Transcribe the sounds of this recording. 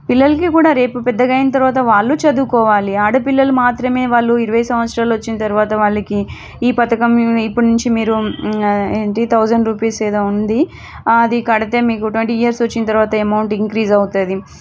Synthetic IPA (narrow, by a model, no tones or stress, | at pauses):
pilːɐlɐkikuːɽaːɾe̞ːpupɛd̪ːɐɡɐjinɐt̪̬ɐɾuʋaːt̪̬ɐʋaːɭːut͡ʃɐd̪uːkɔːʋaːliaːɽupilːɐlumaːt̪ɾɐme̞ːʋaːɭːuiɾuʋɐjsɐ̃mʋɐt̪sɾaːluɐt͡ʃːinɐt̪ɐɾuʋaːt̪ɐʋaːɭːɐki | iːpɐt̪ɐkɐmipːuɽnuɲt͡ʃimiːɾu | eːɳʈit̪ʰɐwzɐɳɖɾuːpiːseːd̪oːund̪i | d̪ikɐɽɐt̪e̞ːmiːkuʈʋeɳʈiijɐɾsʋɐt͡ʃːinɐt̪ɐɾuʋaːt̪ɐemɐwɳʈiŋkɾiːzɐwut̪uːd̪i